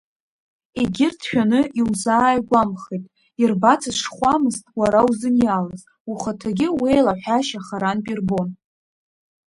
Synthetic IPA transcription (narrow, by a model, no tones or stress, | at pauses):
eɡʲɪrtʰʃᶣanɨiwzaːjɡʷamχejtʼ | irbat͡sʰɨʂχʷamɨztʼwaɾawzɨnjalaz | uχatʰaɡʲɪwejlaħʷaʃaχaɾanpʼirbo̞n